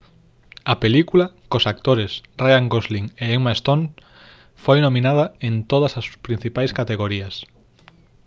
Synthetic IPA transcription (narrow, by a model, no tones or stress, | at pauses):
ɐpelikulɐkosak̚t̪oɾɪsrajaŋɡozliŋeemaest̪oŋ | fojnomĩnað̞ɐent̪oð̞ɐsɐspɾĩn̟θipajskat̪eɣoɾiɐs